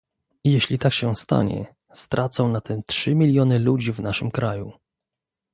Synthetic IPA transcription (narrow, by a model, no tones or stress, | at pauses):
ijeɕlʲit̪akɕɛst̪a̰ɲɛ̰ | st̪ɾʔat̪sɔ̃w̃nat̪ɛmtʂɘmʲilʲjɔnɘlud͡ʑivnaʂɘmkɾaju